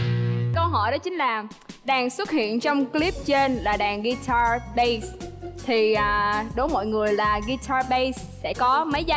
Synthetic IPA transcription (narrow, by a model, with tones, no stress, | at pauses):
kə˧wɦɔ˧˩jɗɔ˨˦t͡ɕï˨˦ŋ̟laː˨˩ | ɗaː˨˩ŋswə˦˥t̚hḭ˧˨ənt͡ɕɔ˧wŋ͡mkli˦˥p̚t͡ɕe˧nlaː˨˩ɗaː˨˩ŋɣi˧t̪ʰaː˧ɓə˧jst̪ʰi˨˩ʔəː˨˩ɗo˨˦jmɔ̰˧˨jŋɨ˨˩əjlaː˨˩ɣi˧t̪ʰaː˧ɓə˧js | sɛ̰˧˩kɔ˨˦mə˨˦jza˧˦